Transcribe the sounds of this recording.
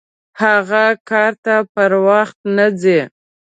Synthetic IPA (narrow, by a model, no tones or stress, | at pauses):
haɣakɑɾt̪apəɾwaxt̪nad͡ze